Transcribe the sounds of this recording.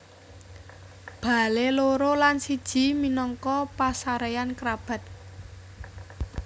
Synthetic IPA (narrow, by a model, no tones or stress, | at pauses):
b̥a̤leloɾolansid̥ʒ̥i̤minɔŋkɔpasaɾejankɾab̥ä̤t̪̚